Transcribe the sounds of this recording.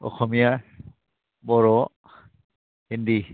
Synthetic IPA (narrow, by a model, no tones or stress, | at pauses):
ɔ̰kʰɔmija | bɔɾɔ | hindi